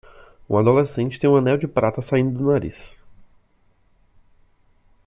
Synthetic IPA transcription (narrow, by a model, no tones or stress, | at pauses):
ṵ̃ad̪olesẽnt͡ʃɪ̥t̪ẽj̃ũɐ̃nɛwd͡ʒɪpɾat̪ɐsaĩnd̪ʊd̪ʊnaɾḭs